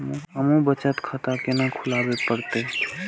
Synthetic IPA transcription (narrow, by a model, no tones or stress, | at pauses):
məmõbət͡ʃət̪kʰət̪akenakʰulabepəɾt̪e